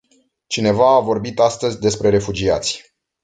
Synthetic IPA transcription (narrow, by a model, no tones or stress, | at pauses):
t͡ʃine̞vaːvo̞rbit̪ast̪əzʲd̪e̞spɾe̞ɾe̞fud͡ʒiat̪sʲ